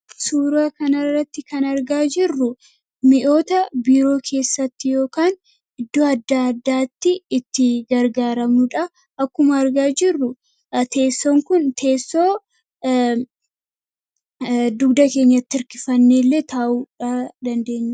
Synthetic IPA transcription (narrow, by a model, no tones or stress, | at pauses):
suːɾaːkɐnɐrːɐt̪ːɪkɐnɐɾɡaːd͡ʒɪrːʊ | mɪʔo̞ːt̪ɐbiːɾo̞ːkʰe̞ːsːɐt̪ːɪjo̞ːkaːn | ɪd̪ːoːɐd̪ːad̪ːaːt̪ːɪːt̪ːɪɡɐɾɡaːɾɐmuᶑɐ | ʔɐkːʊmɐːɾɡaːd͡ʒɪrːʊ | t̪e̞ːsːoːŋkʊnt̪ʰe̞ːsːo̞ː | d̪ʊɡd̪ɐke̞ːɲːɐt̪ːɪɪɾkɪfɐnːeːlːe̞ːt̪aːʔuːᶑad̪ɐnd̪e̞ːɲːɐ